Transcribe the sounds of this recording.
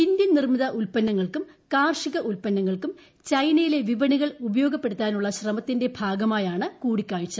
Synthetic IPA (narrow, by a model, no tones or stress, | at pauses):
indjɐnnirmiðɐʔulpɐnːɐŋːɐɭkum | kaːrʂiɣɐʔulpɐnːɐŋːɐɭkum | t͡ɕɐjnɐjile̞ʋiʋɐniɣɐɭubɐjoːɡɐpːeɽut̪ːaːnuɭːɐɕrɐmɐt̪ːinde̞bʱaːɡɐmaːjaːɳɨkuːɽikʲːaːɻit͡ɕːɐð